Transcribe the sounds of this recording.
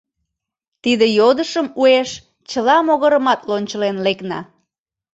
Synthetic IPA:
t̪id̪ejod̪əʃəmueʃ | t͡ɕəlɑmoɣəɾəmɑt̪lonʲt͡ɕəlenleknɑ̰

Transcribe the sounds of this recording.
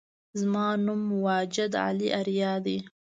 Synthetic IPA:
zmɑːnumwɑːd͡ʒɪd̪ʕa̰liʔaɾjɑːd̪i

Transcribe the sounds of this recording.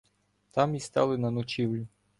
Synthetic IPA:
t̪ɑmist̪ɑlˠɪnɐnɔt͡ʃiwlʲʊ

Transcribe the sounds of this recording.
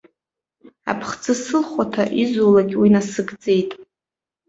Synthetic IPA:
a̰pʰχt͡sɨsɨlχʷatʰaʔizulaɡʲwinasɨɡd͡ze̞jtʼ

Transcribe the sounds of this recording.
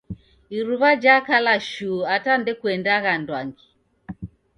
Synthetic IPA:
iɾuβad͡ʒakalaʃuatandɛkuɛndaɣandwaŋɡi

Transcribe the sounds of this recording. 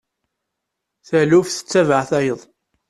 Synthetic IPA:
θælufθə̥t͡sːævəʕθæjəðˤ

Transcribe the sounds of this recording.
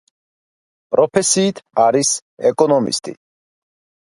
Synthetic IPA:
pʼɾɔpʰɛsiːt̪ʰaɾisɛkʼɔnɔmḭst̪ʼḭ

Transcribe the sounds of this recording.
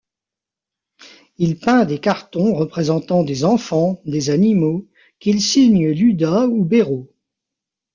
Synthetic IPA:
ilpɛ̃d̪ekaʁt̪ɔ̃ʁəpχezɑ̃t̪ɑ̃d̪ezɑ̃fɑ̃d̪ezanimo | kʲilsiɲəlyd̪aubeʁo

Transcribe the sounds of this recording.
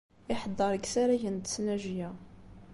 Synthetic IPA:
ɪħəd̪ˤːəɾˤɡsaɾæʝənt̪ə̥snæʒijæ

